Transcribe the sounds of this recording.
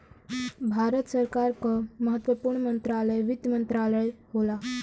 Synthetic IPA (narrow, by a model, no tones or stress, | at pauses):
bʱaɾət̪səɾkaɾkəməɦət̪ʋəpuːɾɳəmənt̪ɾaləjʋɪd̪jmənt̪ɾaləjɦola